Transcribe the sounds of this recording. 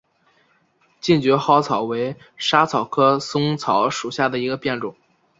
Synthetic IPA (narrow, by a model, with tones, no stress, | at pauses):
t͡ɕi˥˩nt͡ɕɥɛ˧˥xɑ˥ʊt͡sʰɑ˨˩ʊwe˧˥ɪ | ʂa˥t͡sʰɑ˨˩ʊkʰɤ˥sʊ˥ŋt͡sʰɑ˧˥ʊʂu˨˩ɕja˥˩d̪ə˩i˧˥ɡə˧pjɛ˥˩nʈ͡ʂʊ˨˩˦ŋ